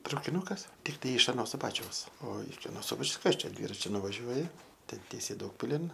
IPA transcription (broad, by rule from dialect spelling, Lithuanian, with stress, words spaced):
trɐʊkʲɪˈnʊkɐs tʲɪkˈtɐɪ ɪʃ ɐˈnoː sʊˈbɑːt͡ʃʲɛʊs oː ɪkʲɪ ɐˈnoː ˈsʊbɐt͡ʃʲɛʊs ˈkɐs ˈt͡ʃʲɛ ˈdʲʋʲiːrɐt͡ʃʲʊ nʊʋɐˈʒʲuɔjɪ ˈtʲɛn ˈtʲiɛsʲɛɪ ˈdɐʊkpʲɪlʲɪn